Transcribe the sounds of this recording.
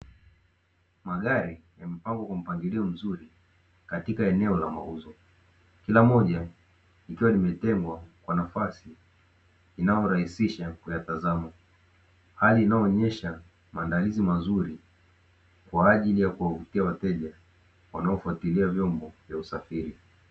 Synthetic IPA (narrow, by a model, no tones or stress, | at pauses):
maɠaɾijam̩paŋɡɔkwam̩paŋɡiliɔm̩zuɾi | katikaɛnɛɔlama̰uzɔ | kilamɔʄa | ikiwanimɛtɛŋɡwakwanafasiː | najɔɾahisiʃakujatazama | haliːnaɔːɲɛʃa | maːndalizimazuɾi | kwaːʄilijakuwavutiawatɛʄa | wa̰naɔfuatiliavjɔmbɔvjausafiɾi